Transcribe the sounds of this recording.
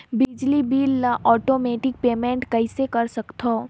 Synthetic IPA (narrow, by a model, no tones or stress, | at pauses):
bɪd͡ʒlibiːləʔɔːʈoːmeːʈɪk̚peːmẽːɳʈkɐɪsekɐɾsɐkt̪ʰoː